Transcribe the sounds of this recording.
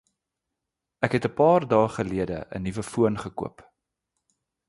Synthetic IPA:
ækɦɛtəpɑːrdɑːχəliədə̰ʔə̰nivəfuənχəkṵəp

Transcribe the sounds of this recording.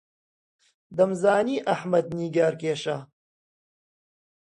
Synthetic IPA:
d̪ɐmzaːniːʔɐħmɐd̪̚niːɡaːɾkeːʃa

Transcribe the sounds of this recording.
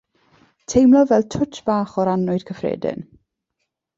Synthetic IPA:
tʰejmlˠɔvɛlˠtʰʊt͡ʃb̥aːχɔɾanʊɨd̥kʰəfrɛ̰ːdɪ̰n

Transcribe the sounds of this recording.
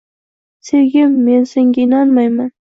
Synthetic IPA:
seɡʲɪmːe̞nseŋɡʲaɪnɑnmajman

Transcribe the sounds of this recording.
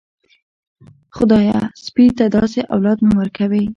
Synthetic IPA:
xʊd̪ɑjaspit̪ad̪ɑseʔa̰wlɑd̪mamwəɾkawi

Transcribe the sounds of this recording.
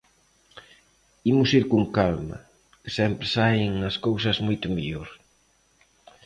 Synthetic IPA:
imʊsiɾkuŋkalmɐ̰ | kɪ̥sɛmpɾɪsaŋnɐskowsɐzmojt̪ʊmeʎoɾ

